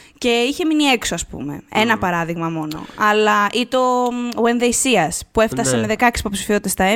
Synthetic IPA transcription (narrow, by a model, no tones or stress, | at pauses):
ce̞içe̞minie̞kso̞ɐspṵme̞̰enɐpɐɾɐðiɣmɐmo̞no̞̰ɐlɐʔit̪o̞wenðejsiɐspue̞ft̪ɐseme̞ðe̞kɐksi̥po̞psi̥fio̞t̪it̪est̪ɐe